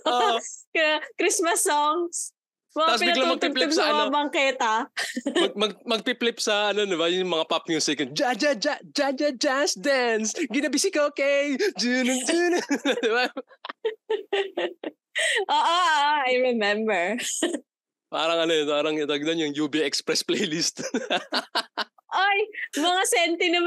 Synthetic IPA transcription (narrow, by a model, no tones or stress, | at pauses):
oː | kɾismɐsːoŋs | mɐkaspɪbnɐɡlɐmɐɡ̚p̪iplɪpsɐabɐŋkɛːt̪ɐɐɡ̚mɐɡ̚mɐɡ̚piplɪpsɐʔɐnod̪ɪbajʊmɐŋapap̚ɲʊsɛkɐn̚d͡ʒad͡ʒɐd͡ʒad͡ʒad͡ʒɐd͡ʒansd̪nsɡɪnɐbisɪkokɛjd͡ʒunnd͡ʒund̪ɪba | ʔoːʔoʔaajɹɛmɛmbɛɹ | pa̰ːɾɐŋɐnoɛpaːɾɐŋt̪ɐɡ̚d̪ɐŋjʊŋjuːbiʔɛkspɾɛsplejlist̪ | ʔojmɐŋasɛnt̪ɪnɐm